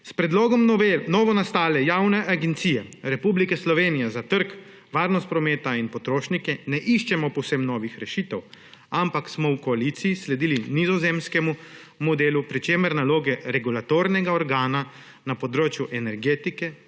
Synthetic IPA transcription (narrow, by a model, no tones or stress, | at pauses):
spɾɛd̪loːɡɔmnɔːʋɔnast̪aːlɛjawnɛʔaɡɛnt̪siːjɛɾɛpublikɛslɔʋeːnijɛzat̪əɾk | ʋaːɾnɔst̪pɾɔmeːt̪ainpɔt̪ɾoːʃnikɛnɛʔiʃt͡ʃɛmɔpɔwsemnɔːʋixɾɛʃiːt̪ɛw | ampaksmɔwkɔalit̪siislɛd̪iːlinizɔzeːmskɛmu | mɔd̪eːlupɾit͡ʃeːməɾnaloːɡɛɾɛɡulat̪oːɾnɛɡaɔɾɡaːna | napɔd̪ɾoːt͡ʃjuʔɛnɛɾɡeːt̪ikɛ